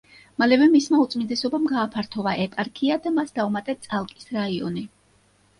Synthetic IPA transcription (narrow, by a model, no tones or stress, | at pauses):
malɛvɛmismaut̪sʼmind̪ɛsɔbamɡaːpʰaɾt̪ʰɔvaʔɛpʼaɾkʰiad̪amasd̪aumat̪ʼɛt̪sʼalˠkʼi̥sɾaiɔ̰ni